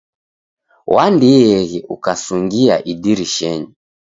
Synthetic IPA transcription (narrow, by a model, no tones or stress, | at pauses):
wandiɛɣiʔukasuŋɡia̰ʔidiɾiʃɛɲi